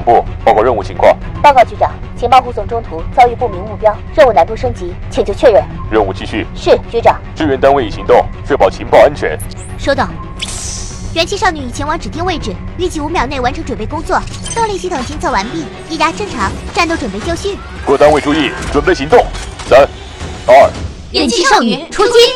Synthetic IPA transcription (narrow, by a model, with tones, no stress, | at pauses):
ŋpṵ˥˩pɑ˥˧ʊkwɑ˥˧ɻə˥˧nu˥˩t͡ɕʰi˧˥ŋkʰwɑ̰˥˩ŋpɑ˥˧ʊkɑ˥˧ʊt͡ɕy˧˥ʈ͡ʂɑ̰˨˩˦ŋ | t͡ɕʰi˧˥ŋpɑ˥˧ʊxu˧˥t͡sʊ˨˩ŋʈ͡ʂʊ˥ŋt̪ʰu˧˥t͡ɕjɑ˥˧ʊy˥˧pu˥˩mi˧˥ŋmu˥˩pjɑ˥ʊɻə˥˧nu˥˩na˧˥ntp̪u˥˩ʂɤ˥ŋt͡ɕi˧˥ | t͡ɕʰi˨˩ŋt͡ɕo˥˧ʊt͡ɕʰɥɛ˥˧ɻə˥˩nɻə˥˧nu˥˩t͡ɕi˥˧ɕy˥˩ʂɻ̩˥˩t͡ɕy˧˥ʈ͡ʂɑ˨˩˦ŋʈ͡ʂɻ̩˥ɥɛ˧˥nt̪a˥nwe˥˩ɪi˨˩ɕi˧˥ŋt̪ʊ˥˧ŋʂʰɥɛ˥˩pɑ˨˩ʊt͡ɕʰi˧˥ŋpɑ˥˧ʊa˥nt͡ɕʰɥɛ̰˧˥n | ʂwɔ˥t̪ɑ˥˩ʊ | ɥɛ˧˥nt͡ɕʰi˥ʂɑ˥˩ʊny˧˩i˨˩t͡ɕʰjɛ˧˥nwɑ˧˥ŋʈ͡ʂɻ̩˨˩t̪̬i˥˧ŋwe˥˧ɪʈ͡ʂɻ̩˨˩ | y˥˧t͡ɕi˥˩u˧˥mjɑ˨˩ʊne˥˩ɪwa˧˥nʈ͡ʂʰɤ˧˥ŋʈ͡ʂwə˨˩npe˥˩ɪkʊ˥ŋt͡swɔ˥˩ | t̪ɑ˥˧ʊli˥˩t͡ɕi˥ʊ˨˩t͡ɕi˥ŋt͡sʰɤ˥˩ʊwa˧˥npi˥˩ | i˥˩ja˥ʈ͡ʂɤ˥˩ŋʈ͡ʂʰɑ˧˥ŋʈ͡ʂa˥˧nt̪o˥˩ʊʈ͡ʂwə˨˩npe˥˧ɪt͡ɕjɑ˥˧ʊɕy˥˩n | kwɔ˥˩t̪a˥nwe˥˩ɪʈ͡ʂʰu˥i˥˩ʈ͡ʂwə˨˩npe˥˩ɪɕi˧˥ŋt̪ʊ˥˩ŋsa˥n | ɐ˥˩ | ɛ˧˥nt͡ɕʰi˥ʂɑ˥˧ʊny˨˩ʈ͡ʂʰu˥t͡ɕi˥